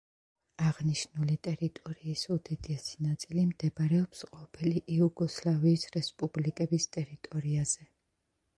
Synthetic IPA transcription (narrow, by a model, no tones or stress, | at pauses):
aʁniʃnulit̪ʼɛɾit̪ʼɔɾiːsud̪ɛd̪ɛsi̥nat̪sʼilimd̪ɛbɾɛɔpsqʼɔpʰiliʔiuɡɔslˠaviːsɾɛspʼublikʼɛbist̪ʼɛɾit̪ʼɔɾiaz̥ɛ